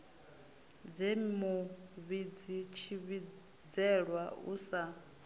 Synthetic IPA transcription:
d͡zemuβid͡zit͡ʃʰiβi | d͡zɛɺwaṵsa

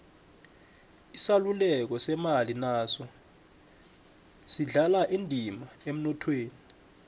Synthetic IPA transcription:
isalulɛk̬ɔsɛmalinaːsɔ | siɮalaʔendʱimaem̩nɔtʰweːni

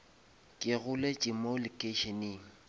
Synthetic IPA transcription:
kʼɪɣʊlet͡ʃʼɪmolɪkʼeʃeniːŋ̩

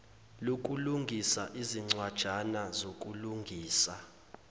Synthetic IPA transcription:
lok̬ʼuluŋɡʱisaʔiziŋ͡ǀwad̥ʒ̥ʱanazokʼuluŋɡʱiːsa

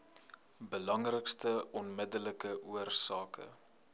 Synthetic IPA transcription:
bəlɐŋrəkstəɔnmədələkəʔuərsɑːkʰə̰

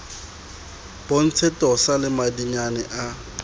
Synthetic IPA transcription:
b̥on̩t͡sʰɛtʼɔsalɪmadiɲanɛʔa

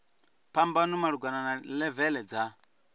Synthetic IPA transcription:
pambanumaɾuɡʷananalɛvɛlɛd͡za

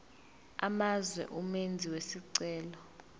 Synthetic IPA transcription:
a̰mazwɛ̰ʔumend͡zʱiwesiǀɛːlɔ

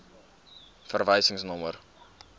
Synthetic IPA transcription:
fərvəjsəŋsnɔmər

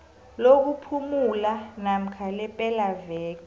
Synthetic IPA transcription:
lok̬upʰumulanam̩kʰalɛpʼɛlavɛːk̬ʼi

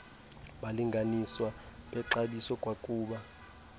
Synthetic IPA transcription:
ɓaliŋɡʱaniswaɓɛǁaɓisɔkʼwakʼuːɓa

